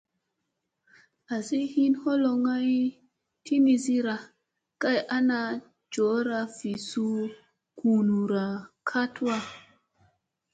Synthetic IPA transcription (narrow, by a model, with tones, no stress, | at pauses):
a˨si˦hi˦nho˦lo˧ŋa˦j | ti˦ni˧zi˦ɾa˨ | ka˦jʔa˦na˧ | d͡ʒo˨˦ɾa˧fi˨su˦ | ku˨nu˨ɾa˨kʰa˦twa˦